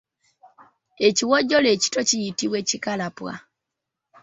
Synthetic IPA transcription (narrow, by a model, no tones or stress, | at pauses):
eciwoɟːoleːci̥tocijitiwecikalapwa̰